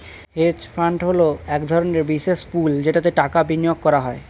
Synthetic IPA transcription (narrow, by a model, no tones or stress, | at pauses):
het͡ɕpʰɾaɳʈɦoloɛkd̪ʱɔɾoneɾbisespuld͡ʑeʈat̪̬eʈakabinijoɡ̚kɔɾaɦɔe